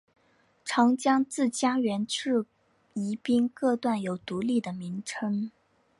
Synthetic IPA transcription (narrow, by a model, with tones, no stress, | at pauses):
ʈ͡ʂʰɑ˧˥ŋt͡ɕjɑ˥ŋt͡sɹ̩˥˩t͡ɕja˥ɥɛ˧˥nʈ͡ʂɻ̩˥˩ | i˧˥pi˥nkɤ˥˧t̪wa˥˩njo˨˩ʊt̪u˧˥li˥˩d̪ə˩mi˧˥ŋʈ͡ʂʰɤ˥ŋ